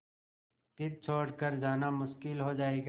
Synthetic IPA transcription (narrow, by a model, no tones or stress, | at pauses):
t̪ɪt̪̚t͡ʃʰoːɽkəɾd͡ʒaːnamʊʃkɪlɦod͡ʒaːeɡ